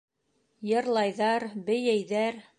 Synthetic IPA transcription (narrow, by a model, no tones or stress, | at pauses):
jɤ̆ɾlˠɑjðɑɾbɘ̆jæjðæɾ